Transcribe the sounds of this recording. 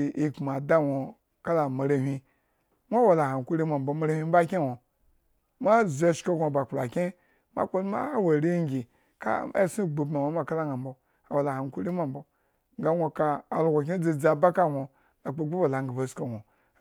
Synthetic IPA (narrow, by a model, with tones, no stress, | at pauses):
i˦k͡pma˨da˦˨wʷo˨ | ka˦la˨ma˨ɾa˨hʲʷi˧ | mʷa˦wa˨la˨ha˨ŋ˨ku˦ɾi˦ma˨m̩˨bo˨ma˨ɾa˦hʲi˦m̩˦ba˦kʲe˦wʷo˨ | mʷa˦ze˨˦˨ʃko˦ɡʷo˨ba˨k͡pla˨kʲe˦ | ma̰˦k͡po˦n˦ma̰˦wa˨ɾi˦ɡʲi˨ | ka̰˦˨su˦˨ɡ͡bu˨ba˨wʷo˨˦ma˦ka˦la˦ŋa˨m̩˨bo˨ | a˨wa˨la˨ha˨ŋ˦ku˦ɾi˦ma˨m̩˦bo˨ | ŋɡa˨˦ŋʷo˨ka˨a˨lɡʷo˨k̬ʲe˦d͡zi˨d͡za˨ba˦ka˦˨ŋʷo˨ | a˨k͡po˨˦ɡ͡bu˦ba˨la˨ŋ˦ɡa˨ba˨sko˨ŋʷo˨